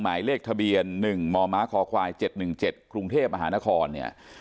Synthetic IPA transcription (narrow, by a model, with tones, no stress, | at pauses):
maː˩˦jleː˥˩k̚t̪ʰa˧bi˧ənːɯ˨˩ŋmɔː˧maː˦˥kʰɔː˩˦kʰwaː˧jt͡ɕe˨˩t̪̚nɯ˨˩ŋt͡ɕe˨˩t̪̚kɾu˧ŋt̪ʰeː˥˩p̚ma˧ɦaː˩˦na˦˥kʰɔː˧nːḭ˥˩ɐ